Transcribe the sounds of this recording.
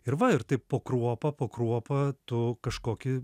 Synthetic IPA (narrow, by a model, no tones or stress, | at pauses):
ɪɾʋɐɪɾt̪ɐɪppoːkɾuɔpɐpoːkɾuɔpɐt̪ʊkɐʃkoːkʲɪ